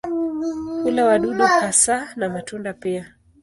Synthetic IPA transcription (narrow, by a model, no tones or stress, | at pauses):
kulawaɗuɗɔhasanamatundapia